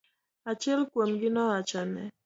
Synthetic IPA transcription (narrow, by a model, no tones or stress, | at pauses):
at͡ʃɛlkwomɡɪnɔat͡ʃanɛ̰